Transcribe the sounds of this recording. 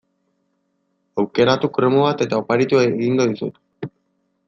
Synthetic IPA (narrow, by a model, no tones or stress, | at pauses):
awkeɾat̪ukɾemoβat̪et̪aopaɾit̪uaɣiŋɡoðisṵt̪